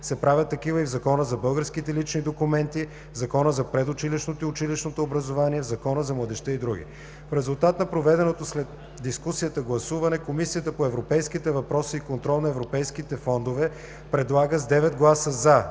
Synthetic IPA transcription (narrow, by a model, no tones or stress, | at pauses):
sɛpɾavʲjət̪ːɐkivəivzɐkɔnəzɐbɤlˠɡəɾskit̪ɛlit͡ʃnid̪okumɛnt̪i | zɐkɔnəzɐpɾɛd̪ʊt͡ʃiliʃnot̪iʊt͡ʃiliʃnot̪oːbɾəzovaniɛzɐkɔnəzɐmlˠɐd̪ɛʃt̪ɛid̪ɾuɡ̟ʲḭ | fɾɛzulˠt̪at̪nɐpɾovɛd̪ɛnot̪oslɛd̪ | d̪iskusiət̪əɡlˠɐsuvɐnɛkomisiət̪əpoɛvɾopɛjskit̪ɛvɐpɾɔsiːkont̪ɾɔlˠnɐɛvɾopɛjskit̪ɛfɔnd̪ovɛ | pɾɛd̪lˠaɡəzd̪ɛvɛd̪ɡlˠasəza